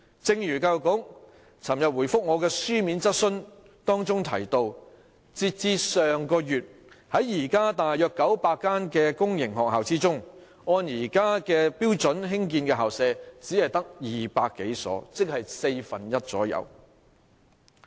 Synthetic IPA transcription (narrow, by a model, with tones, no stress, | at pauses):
t͡sɪ˧ŋjyː˨˩kaː˧wkʊ˨˥ŋ | t͡sʰɐ˨˩mjɐ˨t̚wu˨˩jfʊ˥k̚ŋɔː˨˧kɛː˧syː˥miː˨˥nt͡sɐ˥t̚sɵ˥n | t̪ɔː˥ŋt͡sʊ˥ŋt̪ʰɐ̰˨˩jt̪o˧w | t͡siː˧t̚t͡siː˧sœː˨ŋkɔː˧jyː˨t̚ | hɐ˨˥jjiː˨˩kaː˥t̪aː˨jjœː˨˧kːɐ˨˥wpaː˧kːaː˥nkɛː˧kʊ˥ŋjɪ˨˩ŋhɔː˨k̚haː˨wt͡siː˥t͡sʊ˥ŋ | ɔː˧njiː˨˩kaː˥kɛː˧piː˥wt͡sɵ˨˥nɦɪ˥ŋk̬iː˧nkɛː˧ɦaː˨wsɛː˧t͡siː˨˥hɐ˨jt̪ɐ˥k̚jiː˨paː˧kːe˨˥jsɔ̰ː˨˥t͡sɪ˥k̚hɐ˨jse˧jfɐ˨˩njɐ˥t̚t͡sɔ̰ː˨˥jɐ̰˨˧w